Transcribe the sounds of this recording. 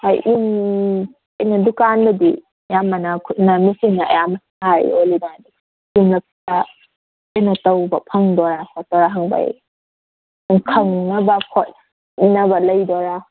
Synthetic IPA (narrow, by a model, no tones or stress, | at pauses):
ajʔim | ɐjnɐdukanbɐdi | jamɐnakʰutnamisiŋnaɐ̰jamɐ | haɾḭolinajdi | imlɐp̚ta | ajnɐtɐwbɐpʰɐŋdɔɾakʰatɔɾaɦaŋba̰j̰ | ŋkʰɐŋnɐbɐkʰot̚ | nɐβɐlɐjdɔɾa